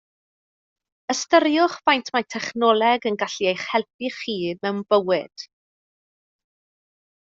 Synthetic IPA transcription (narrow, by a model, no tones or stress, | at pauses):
əstəɾjʊχv̥ajntʰmajtʰɛχnɔlˠɛɡənɡaɬiejχhɛlˠp̚ʰiχiːmɛwnb̥əwɪd̥